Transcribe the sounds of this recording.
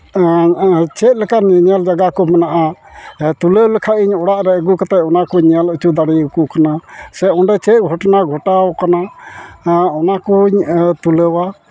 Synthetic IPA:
t͡ʃɛt̪̚ˀlɛkanɲald͡ʒaɡakɔmɛnaʔa | t̪uləwlɛkʰaʔiɲɔɽaʔɾɛəɡukat̪ɛjɔnakɔɲjalət͡ʃʰud̪aɽikukanasɛɔnɖɛt͡ʃɛt̪̚ˀɡʱɔʈnaɡʱɔʈawkana | ɔnakɔɲt̪uləwa

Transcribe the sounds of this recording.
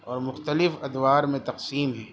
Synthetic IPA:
ɔːɾmʊxt̪əlɪfɐd̪waːɾmẽt̪ɐqsiːmɦɛː

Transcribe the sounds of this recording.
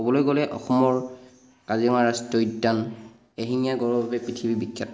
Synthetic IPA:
obɔlojɡolɛʔɔ̰xɔmɔɹ | kaziɔŋaɹastɔjdːan | eɦiŋijaɡɔɹɔbʱabɛpɹitʰibibikːa

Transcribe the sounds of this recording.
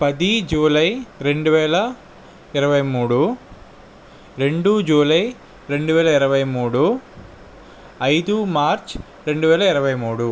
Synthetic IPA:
pɐd̪id͡ʒuːlɐjɾe̞ɳɖuʋɛːlɐ | iɾɐʋɐjmuːɽu | ɾe̞ɳɖud͡ʒuːlɐj | ɾe̞ɳɖuʋɛːlɐiɾɐʋɐjmuːɽu | ɐjd̪umaːɾt͡ʃ | ɾe̞ɳɖuʋɛːlɐiɾɐʋɐjmuːɽu

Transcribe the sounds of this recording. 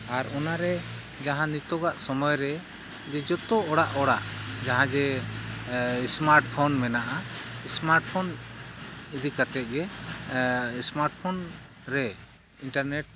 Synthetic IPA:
aɾɔnaɾɛ | d͡ʒaɦãnit̪ɔɡaʔsɔmɔjɾɛ | d͡ʒɛd͡ʒɔt̪ɔɔɽaʔɔɽaʔd͡ʒaɦãd͡ʒɛ | smaɾʈpʰɔnmɛnaʔaismaɾʈpʰɔn | id̪ikat̪ɛt̪̚ˀɡɛ | smaɾʈ̚pʰɔn | ɾɛ | iɳʈaɾnɛʈ̚

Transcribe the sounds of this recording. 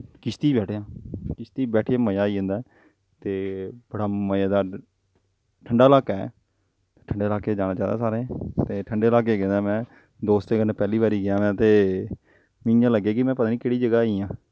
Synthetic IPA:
kɪst̪iːbɛːʈʰjãːkɪst̪iːbɛːʈʰjãːməjaːiːɦə̃nd̪aː | t̪eːb̥əɽaːməjaːd̪aː | ʈʰəɳɖaːlaːkɛː | t̪eːʈʰəɳɖeːlaːkeːd͡ʒaːnãːt͡ʃaːd̪a̰ːsaːɾẽːt̪eːʈʰəɳɖeːlaːkeːɡẽːd̪aːmɛ̃ː | d̪oːst̪eːɡəneːpɛːliːβaːɾiːɡɪjãːʋɛ̃ːt̪eː | mɪjãːləɡːeːkɪmɛ̃ːpət̪aːnĩːkeːɽiːd͡ʒəɡaːiːjãː

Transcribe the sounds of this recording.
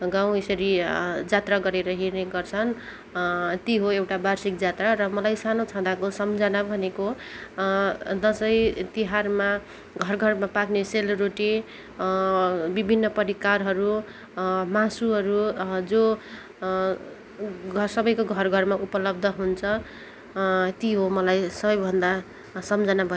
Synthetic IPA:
ɡãw̃esʌɾid͡zat̪raɡʌɾeɾʌɦirneɡʌrt͡sʰʌn | t̪iɦoewʈabarsik̚d͡zat̪rarʌmʌlajsanot͡sʰãd̪akosʌmd͡zʌnabʱʌneko | d͡zʌsʌjt̪iɦarma | ɡʱʌrɡʱʌrmapakneselroʈi | bibʱinːʌpʌɾikarɦʌɾu | masuɦʌɾud͡zo | ʌsʌbʌjkoɡʱʌrɡʱʌrmaʔupʌlʌb̚d̪ʱʌɦunt͡sʰʌ | t̪iɦomʌlajsʌbʌjbʱʌnd̪a | sʌmd͡zʌnabʱʌ

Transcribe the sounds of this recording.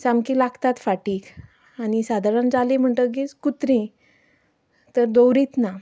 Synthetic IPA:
samkilaɡt̪at̪faʈiːk | añisad̪ʱaɾand͡zalem̤əɳʈəɡit͡skut̪ɾĩ | t̪əɾd̪owɾit̪na

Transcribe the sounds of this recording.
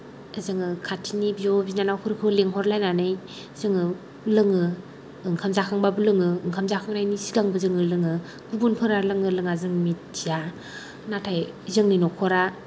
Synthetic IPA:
ezɯŋɯkʰatʰinibijɔbinanawkʰɯɾɯkʰɯleŋɦɔɾlajnanɯj | zɯŋɯ | lɯŋɯ | ɯŋkʰamzakʰaŋbabulɯŋɯɯŋkʰamzakʰaŋnajnisiɡaŋbɯzɯŋɯlɯŋɯ | ɡubunpʰɯɾalɯŋɯlɯŋazɯŋmit̚ːija | natʰaj | zɯŋninɔkʰɔɾa

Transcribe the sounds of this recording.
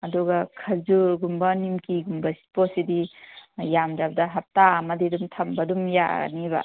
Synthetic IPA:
ɐduɡɐkʰɐzuɾɡumbɐnimkiɡumbɐsi̥posidijamd͡ʒabɐdɐɦɐp̚tamɐdidumtʰɐmbɐdumja̰niba̰

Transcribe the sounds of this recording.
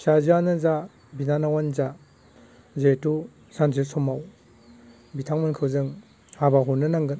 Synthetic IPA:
sazanɯza | binanawanza | zetu | sanzesɔmaw | bitʰaŋmɯnkʰɯwzɯŋ | habaɦunːɯnaŋɡɯn

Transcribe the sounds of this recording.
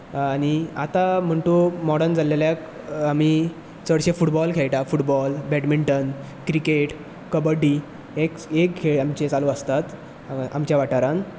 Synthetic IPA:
añiat̪am̤əɳʈumɔɽənd͡zaleljak | ami | t͡səɽɕefuʈbɔlkʰejʈafuʈbɔlbɛʈmiɳʈən | kɾikeʈ | kəbəɖi | ekekkʰeɭamt͡ɕet͡saluəst̪at̪ | a̰mt͡ɕjaʋaʈaɾãn

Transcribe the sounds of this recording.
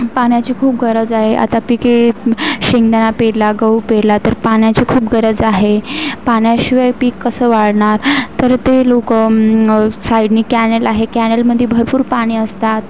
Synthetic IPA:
paɳ̃jat͡ɕiːkʰuːp̚ɡʱəɾəd͡zaɦeʔa̰t̪apikeɕiŋɡd̪anapeɽlaɡəupeɽlat̪əɾpaɳjat͡ɕiːkʰuːp̚ɡʱəɾəd͡zaɦepaɳjaɕiʋajpiːkːəsəʋaɽɳaɾt̪əɾt̪elokə | saiɖniːkænelaɦekænelməd̪ʱːjebʱəɾpuːɾpaɽ̃iːəst̪at̪̚

